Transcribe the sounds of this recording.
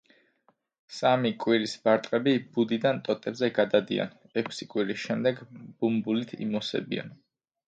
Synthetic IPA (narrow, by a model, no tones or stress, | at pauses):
samikʼwiɾisb̥aɾt̪ʼqʼɛbib̥ud̪id̪ant̪ʼɔt̪ʼɛbzɛɡad̪ad̪ḭa̰n | ɛkʰsikʼwiɾisʃɛmd̪ɛɡb̥umbulit̪ʰḭmɔsɛ̰bḭa̰n